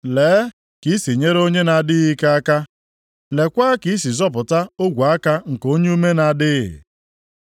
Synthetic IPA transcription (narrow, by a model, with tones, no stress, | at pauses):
leː˨˦ | ki˦si˨ɲe˦ɾo˦ɲe˦na˨dɪ˦ɣi˦ka˦a˦ka˦ | le˨kʷaː˦ki˨˦si˨zɔ˦pʊ˨ta˦o˦ɡʷa˨a˦ka˦ŋ̩˨ko˦ɲe˦u˦me˦na˨dɪ̰˦˨